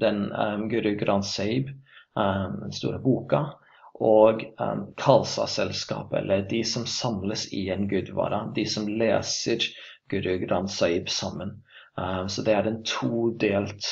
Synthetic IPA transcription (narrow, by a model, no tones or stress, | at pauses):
d̪ɛnɡʉɾʉɡɾɑnsɑɪb | d̪ɛnst̪ṵːɾəbuːkɑ | ʔoɡkʰɑlsɑ̰sɛlskɑ̰ːpɛ̰lːəɖɪsɔmsɑmləsɪɛnɡʉd̪ʋɑ̰ːɾɑd̪ɪsɔmleːsəɾɡ̥ʉɾʉɡɾɑnsɑɪbsɑmːən | sɔd̪ɛæɾɛnt̪ʰuːd̪eːlt̪